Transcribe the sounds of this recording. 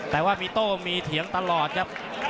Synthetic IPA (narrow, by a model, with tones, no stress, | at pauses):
t̪ɛː˨˩waː˥˩miː˧t̪oː˥˩miː˧t̪ʰi˩˦əŋt̪a˧lɔː˨˩t̪̚kʰp̚